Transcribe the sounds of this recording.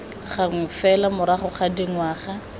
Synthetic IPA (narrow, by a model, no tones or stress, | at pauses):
χaŋ̩fɛlamʊɾaχʊχadiŋwaːχa